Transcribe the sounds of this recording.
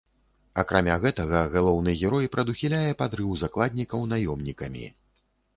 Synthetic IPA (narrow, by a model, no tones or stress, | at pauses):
ɐkɾʔamʲaɣɛt̪ɐɣɐɣalˠɔwnɨɣʲɛɾɔjpɾɐd̪uxʲilʲajɛpad̪ɾɨwzaklˠad̪ʲnʲikɐwnajɔmnʲikɐmʲḭ